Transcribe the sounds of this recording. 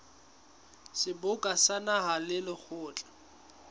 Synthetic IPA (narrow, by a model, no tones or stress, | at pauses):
sɪbʊkʼasanaɦalɪlɪk͡xʰʊːt͡ɬʼḁ